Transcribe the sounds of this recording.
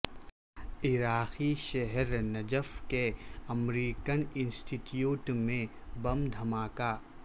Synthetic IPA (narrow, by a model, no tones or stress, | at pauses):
ɪɾaːxiʃɛɦɛɾnɐd͡ʒəfkeɐmɾiːkənɪ̃nsʈiʈjuːʈmẽ | bɐmd̪ʱɐmaːkaː